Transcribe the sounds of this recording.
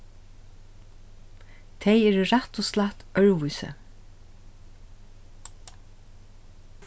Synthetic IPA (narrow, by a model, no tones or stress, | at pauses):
t̪ʰɛjɛɾɹat̪ɔst̪laht̪œɹʋujsə̰